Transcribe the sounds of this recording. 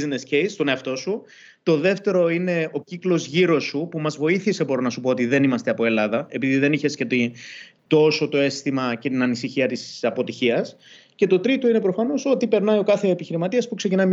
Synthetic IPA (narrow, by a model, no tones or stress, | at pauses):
znescejst̪o̞ne̞ɐft̪o̞su | t̪o̞ðe̞ft̪e̞ɾo̞ine̞o̞ciklo̞zʝiɾo̞supumɐzvo̞iθise̞bo̞ɾinɐsupo̞ot̪iðe̞nimɐst̪eɐpo̞e̞lɐðɐe̞piðiðe̞niçe̞scet̪i | t̪o̞so̞t̪o̞e̞st̪imɐce̞t̪inɐnisiçiɐt̪isɐpo̞t̪içiɐs | ce̞t̪o̞t̪ɾit̪o̞ine̞pɾo̞fɐno̞so̞t̪ipe̞ɾnɐio̞kɐθe̞ːpiçiɾimɐt̪iɐspukse̞cinɐim